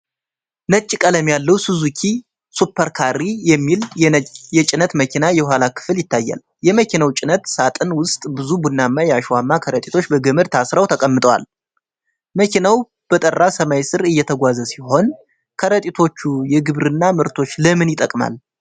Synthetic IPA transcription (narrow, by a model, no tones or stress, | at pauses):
nət͡ʃʼːkʼələmjalːəwsɨzukʰi | supʰːəɾkʰarːijɛmːiljɛt͡ʃʼɪnət̪məkʰinajɛwʷalakʰɨ̥fɨljɪt̪ʰːajːa̰l | jɛməkʰinawt͡ʃʼɪnət̪sat̪ʼɨnwʊst̪ʼbɨzubunːamːajɛaʃwamːakʰəɾət̪ʼit̪ʰo̞t͡ʃːbəɡəmɨɾt̪ʰasɾawt̪ʰəkʼəmːɨt̪ʼəwa̰l | məkʰinaw | b̥ət̪ʼərːasəmajsɨɾɨjːɛt̪ʰəɡʷazəsiho̞n | kʰəɾət̪ʼit̪ʰo̞t͡ʃːujɛɡɨβɾɨnːamɨɾt̪ʰo̞t͡ʃːləmɨnjɪt̪ʼəkʼma̰l